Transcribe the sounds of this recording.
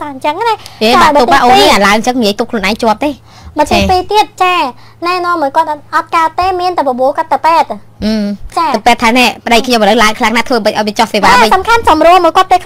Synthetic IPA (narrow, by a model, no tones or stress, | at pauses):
saɲt͡ɕəŋnaeːɓaːɓ̪uːppɓaːʔoːnɨŋʔaːlaəŋɲt͡ɕəŋniiəjt̪up̚kʰluənʔaɛŋt͡ɕŏəp̚t̪eː | mətt͡ɕ̪iəpiːt̪iət̪̚t͡ɕaː | naɛnɔ̆əmːɔːjkŏət̪̚ʔɑt̪̚kaət̪ːeːmiənt̪apɔɓoəkəət̪ːəwpɛːt̪̚ | ʔɨːt͡ɕaːɨpɛːt̪ʰːaːnɛəpə̆ɗəjkʰɲoməlɨwlaəŋkʰlaŋnaːt̪ʰʋəːɓɨc̚ʔaɔjʋiət͡ɕɑhseːʋaːməɲsɑmkʰansɑmruəlmɔəjkŏət̪̚ːekʰ